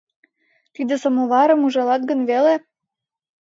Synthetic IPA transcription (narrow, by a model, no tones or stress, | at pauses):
t̪id̪ĕsɤ̆moβɑɾɤ̆muʒɑlɑt̪̚ɡə̆nβele